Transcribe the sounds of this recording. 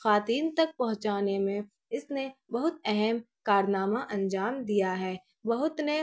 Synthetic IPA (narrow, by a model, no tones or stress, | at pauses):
xaːt̪iːnt̪ɐk̚pɐɦʊ̃t͡ʃaːnemẽ | ɪsnebɐɦʊt̪ɛɦɛm | kaːɾnaːmaʔɐ̃nd͡ʒaːmd̪ijaɦɛː | bɐɦʊt̪ne